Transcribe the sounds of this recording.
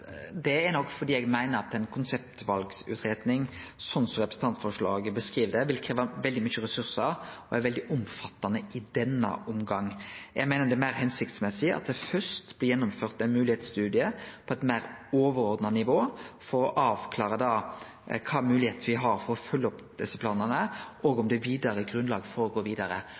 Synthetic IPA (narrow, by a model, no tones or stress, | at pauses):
d̪ɛænɔkːfɔɾd̪iːɛɡmæɪnəɾɑt̪ɛɪnkʰʊnsɛp̚t̪ʋɑlɡsʉ̰ːt̪ʰɾeːd̪nɪŋsɔnsɔɾɛpɾəsn̩t̪ɑnt̪fɔʂɭɑ̰ːɡbəskɾiːʋd̪ɛʋɪlkʰɾeːʋɑʋɛld̪ɪmyçəɾɛsʉɾsəɾɔɛɾʋɛld̪ɪʔʊmfɑt̪ːɑnəɪd̪ɛnːə̰ʔʊmɡɑŋːjæɪmæɪnəd̪ɛmæɪɾhɛnsɪkt̪smɛsɪɑ̰t̪̚d̪ɛfœst̪b̥lɪjɛnːʊmføːʁt̪ɛɪnmʉːlɪheːt̪st̪ʉːd̪ɪəpʰɔɛt̪mæːɾoːʋəɾoːɾd̪nɑnɪʋoːfɔɾɔʔɑːʋkʰlɑːɾʁəd̪ɑː | kʰɑːmʉːlɪheːt̪nʋɪɦɑɾfɔɾɔfœlːəɔpd̪̥ɛsːəpʰlɑːnənəʔoːɡɔmd̪ɛʋiːd̪ɑɾəɡɾʉnlɑːɡəfɔɾɔɡoːʋiːd̪ɑɾə̰